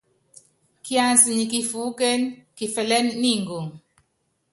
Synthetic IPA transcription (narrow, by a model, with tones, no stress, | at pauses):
ki˦a˨nsi˨ɲi˨ki˨fu˦ke˦nki˨fɛ˨lɛ˦nːi˦˨ŋɡu˨ŋ